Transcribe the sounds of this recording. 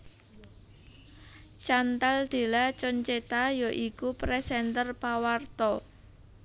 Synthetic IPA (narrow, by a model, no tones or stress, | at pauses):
t͡ʃant̪ald̪̥e̤lat͡ʃɔɲt͡ʃet̪ajoʔikupɾɛsɛnt̪ərpawart̪ɔ